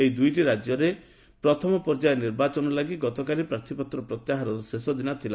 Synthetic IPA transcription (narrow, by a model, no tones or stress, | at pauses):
ejd̪ujʈiɾad͡ʒjɔɾe | pɾɔt̪ʰɔmɔpɔɾd͡ʒajeniɾbat͡ʃɔnɔlaɡiɡɔt̪ɔkalipɾaɾt̪ʰipɔt̪ɾɔpɾɔt̪jaɦaɾɔɾɔsesɔd̪inat̪ʰila